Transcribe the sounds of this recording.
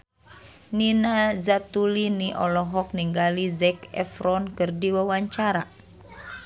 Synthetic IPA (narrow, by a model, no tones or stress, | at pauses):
ninazat̪uliniʔɔlɔɦɔk̚niŋɡalizɛkɛ̰fɾɔnkɨrdiwawaɲt͡ʃaɾa